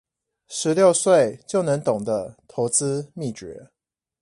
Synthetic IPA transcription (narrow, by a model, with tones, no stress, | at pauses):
ʂ̩˨˦ljo˥˧ʊswe˥˨ɪt͡ɕjo˥˩ʊnə˧˦ŋt̪ʊ˨˩ŋd̪ə˦t̪ʰo˧˥ʊt͡sɹ̩˦mi˥˨˩t͡ɕɥɛ˧˥˦